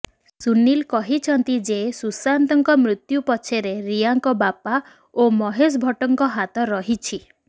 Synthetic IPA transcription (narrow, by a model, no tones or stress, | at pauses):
sunːilkɔɦit͡ʃʰɔnt̪id͡ʒesusant̪ɔŋkɔmɾut̪jupɔt͡ʃʰeɾeɾijaŋkɔbapa | omɔɦes̬bʱɔʈɔŋkɔɦat̪ɔɾɔɦit͡ʃʰi